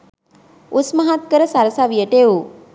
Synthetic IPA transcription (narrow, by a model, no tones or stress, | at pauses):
usməɦat̪̚kəɾəsaɾəsaʋijəʈeu